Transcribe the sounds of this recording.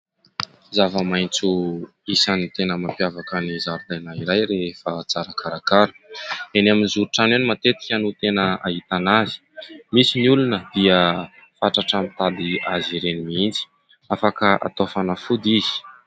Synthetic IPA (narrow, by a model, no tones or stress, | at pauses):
zavəmajnt͡suisanit̪enəmapjavakənizaɾud̪ajnaiɾajɾefət͡saɾakʰaɾakaɾu̥enaminizuɾuʈ͡ʂananimat̪et̪i̥kʲanut̪enəaɦit̪anazi̥misiniulunəd̪̥iə | faʈ͡ʂaʈ͡ʂamit̪ad̪iaziɾenimiint͡si̥ | afakəʔa̰t̪ofanafud̪izi̥